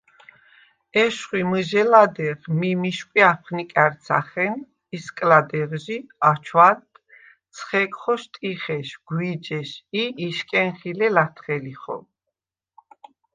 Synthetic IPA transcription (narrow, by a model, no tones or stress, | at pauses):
ɛʃχwiməʒɛlad̪ɛʁmimiʃkʷʼwiapʰχnikʼɛɾt̪sʰa̰χɛn | iskʼlad̪ɛʁʒiat͡ʃʰwat̪ | t̪sʰχɛkʼχɔʃt̪ʼiχɛʃɡ̥wid͡ʒɛʃiːʃkʼɛnχilɛlat̪ʰχɛliχɔ̰